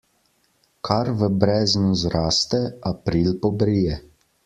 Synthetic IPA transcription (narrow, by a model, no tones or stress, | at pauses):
kʰaɾʋəbɾɛːznuzɾaːst̪ɛapɾiːlpɔbɾijɛ